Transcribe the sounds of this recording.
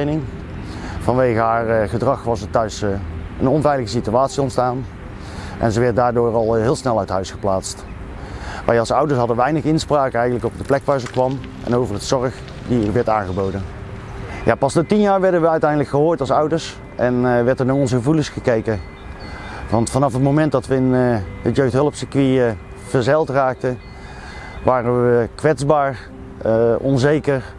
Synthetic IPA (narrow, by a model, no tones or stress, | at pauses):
nɪŋ | vɑnʋejɣəɦaːɹχədrɑχʋɑsətœɥs | ə̰nɔnvɛjləɣəsityaːtsiɔntstaːn | ʔɛ̰nzəʋɛɹt̚daːɹdʊːɹɑlˠɦɪːlˠsnɛlˠœɥtɦœɥsχəplaːtst | ʋɛ̰jɑlˠsʌwdəɹsɦɑdənʋɛjnəχɪnspraːkəɛjɣəntləkɔb̚dəplɛkʋaːɹzəkʋɑm | ʔɛ̰nowvərətsɔɹəx | diʋɛɹtaːnɣəbowdən | ja̰ːpɑsnatinjaːɹʋɛɹdənʋəœɥtɛjndələkχəɦoːɹtɑlˠsʌwdəɹs | ʔɛnʋɛɹtənaːɹɔnzəɣəvulənsχəkejkə | vɑntfɑnɑfɦətmowmɛnt̚dɑtʋəɪnɦətjøɥxtɦɵlˠəpsəkʋi | v̥əɹzɛlˠtraːk̚tə | ʋaːrənʋəkʋɛtzbaːɹ | əɔnzejkəɹ